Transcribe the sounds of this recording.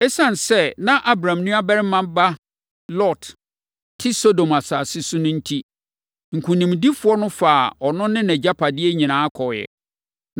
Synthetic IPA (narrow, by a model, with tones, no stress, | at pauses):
ɛ˦sã˦˨n˨sɛ˦nã˦ʔa˦bɾã˨mnũ˦a˦bɛ˦ɾɪ˦mːã˦ba˦ | lɔ˦˨t | tʰɪ˦so˦dõ˨ma˨saː˨sɪ˦sʊ˦nʊ̃˦n̩˦tʰi˦ | ŋ̩˨kʰʷũ˨nĩ˨mdi˦fʊ˦ɔ˦nʊ̃˦fa˨ɔ˨nʊ̃˦nɪ̃˦nɛ̃˨d͡ʑa˦pʰa˨dɪ˦ɛ˦ɲĩ˨nãː˨˦a˦kʰɔ˨jɛ̰˨